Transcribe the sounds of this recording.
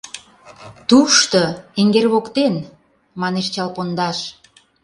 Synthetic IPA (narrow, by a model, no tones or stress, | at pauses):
t̪uʃt̪oeŋɡerβokt̪en | mɑneʃt͡ɕɑlpond̪ɑʃ